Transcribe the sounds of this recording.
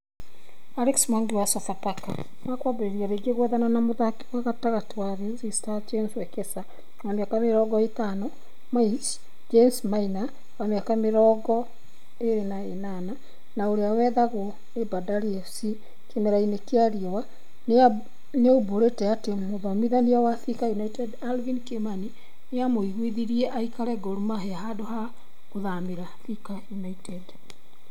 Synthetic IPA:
aɾeksmanɡiwasɔsataka | nakwabeɾeɾiaɾeɡeɣwɛðananamoðake̥waɣataɣatwaɾezistad͡ʒenswɛkesa | wameakameɾɔːɡɔetanɔ | mait͡ʃ | d͡ʒensmaina | wameakameɾɔːɡɔ | eɾenaenana | naoɾeawɛðaɣo | nebadaliɛfsi | kemɛɾainekeaɾiewa | nea | neoboɾetɛatemoðamiðaniawaθikajunaitɛdalvinkemani | neamoiɣwiðiɾiɛʔaikaɾɛɡoɾumaɦeaɦadoɦa | koðamiɾaθikajunaitɛd

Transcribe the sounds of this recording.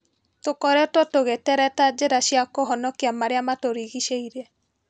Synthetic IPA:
tokɔɾɛɔtɔtoɣetɛɾɛtad͡ʒeɾaʃiakɔɦɔnɔkiamaɾeamatoɾiɣiʃeiɾɛ

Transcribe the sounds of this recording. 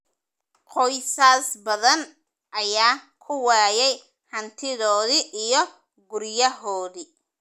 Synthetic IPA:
qɔjsaːsbɐðɐn | ʔɐjaː | kʰʊwaːjɛj | hɐnt̪ʰɪðɔːðiʔːjɞ | ɡʊrjɐɦɔːði

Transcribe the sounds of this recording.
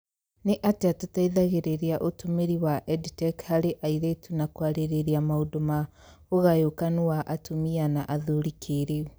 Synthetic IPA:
neʔateatutaiðaɣeɾeɾeaʔotomeɾiwaʔɛditɛkhaɾeʔaiɾetunakwaɾeɾeɾeamaodoma | oɣajokanuwaʔatomianaʔaðoɾikʰeɾeu

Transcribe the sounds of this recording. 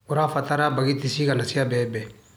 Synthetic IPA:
ʊɾafat̪aɾabaɡit̪isikanasiabɛbɛ

